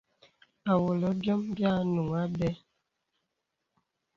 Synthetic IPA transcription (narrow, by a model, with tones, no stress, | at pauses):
a˨wo˨lɔ˨˦bjɔ˦mbja˦nu˨ŋa˦bɛ˦